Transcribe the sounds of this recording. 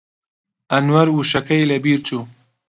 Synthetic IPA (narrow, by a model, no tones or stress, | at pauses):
ɐnwɐɾwuʃɐkɐjlɐbiːɾt͡ʃʰuː